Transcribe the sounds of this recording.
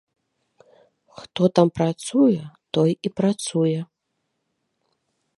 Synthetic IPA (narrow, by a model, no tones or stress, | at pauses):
xt̪ɔt̪ampɾat̪sujɛt̪ɔjipɾat̪sujɛ